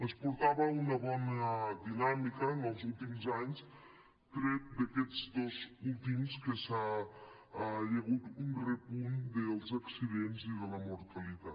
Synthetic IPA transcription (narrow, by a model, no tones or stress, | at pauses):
əspuɾt̪aβəunɐβɔnəd̪inamikəːnəlˠzulˠt̪imzaɲs | t̪ɾɛt̪̚d̪əkɛd͡zd̪ozulˠt̪imskəsa | jəɣut̪unrəpund̪əlˠzɐksiðenziðələmuɾt̪əlit̪at̪